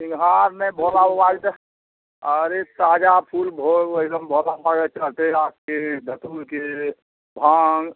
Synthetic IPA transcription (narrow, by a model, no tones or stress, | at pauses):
sɪ̃ŋɡɦaɾnebʱolaʋaɡt̪ | ɔːɾet̪aːd͡ʒapʰulbʱoəd̪əmbʱolabaɡɛt͡ʃəlt̪eaːp̚ked̪ʱət̪ulke | bʱaːŋɡ